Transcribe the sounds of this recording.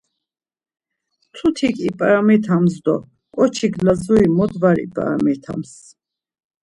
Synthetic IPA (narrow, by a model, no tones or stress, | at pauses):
t̪ʰut̪ʰikʰʼipʼɾamɛt̪ʰamzd̪ɔ̰ | kʼɔt͡ʃʰiɡlazuimɔd̪vaɾḭpʼa̰mɛt̪ʰa̰ms